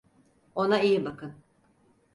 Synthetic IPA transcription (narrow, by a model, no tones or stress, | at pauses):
o̞naijibakʰɯn